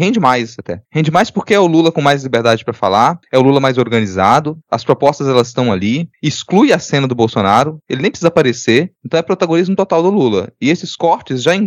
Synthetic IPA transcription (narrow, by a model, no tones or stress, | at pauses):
hẽnd͡ʒɪmajsat̪ɛ̰hẽd͡ʒɪmajspoɾkeɛʊlulɐkõmajzlibeɾd̪ad͡ʒɪpɾɐfa̰laɾɛʊlulɐmajzoɾɡɐ̃nizad̪ʊɐspɾopɔst̪ɐzɛlɐzɪst̪ɐ̃w̃aliɪsklujɐsẽnɐd̪ʊbowsonaɾʊelɪnẽj̃pɾɪsizapaɾeseɾẽt̪ɐ̃w̃ɛpɾɔt̪aɡõnizmʊt̪ot̪awd̪ʊlulɐ̰ɪesɪskɔɾt͡ʃɪzʒaẽ